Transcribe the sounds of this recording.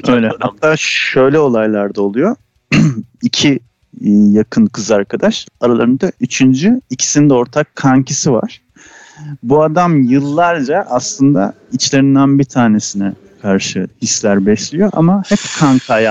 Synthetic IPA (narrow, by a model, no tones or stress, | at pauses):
øjlʲɛhat̪ʰːaːʃø̞jlʲɛo̞lˠajlˠaɾd̪aolˠujo̞ | icʰi | jakʰɯnkʰɯzaɾkʰad̪aʃaɾalˠaɾɯnd̪aʔyt͡ʃʰynd͡ʒyicʰi̥sind̪ɛo̞ɾt̪ʰakʰːaŋcʰisiva̰ɾ̥ | buad̪amjɯlˠːaɾd͡ʒaʔaslˠɯnd̪a̰ | it͡ʃlʲe̞ɾind̪ænbit̪ʰaːne̞sinɛ | kʰaɾʃɯhislʲæɾbɛslʲijo̞ʔa̰mahɛpkʰaŋkʰaj